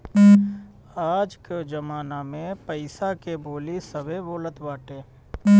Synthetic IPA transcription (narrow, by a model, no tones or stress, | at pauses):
aːd͡ʒked͡ʒɐmaːnamẽpəɪsakeboːlisəbeboːlət̪baːʈeː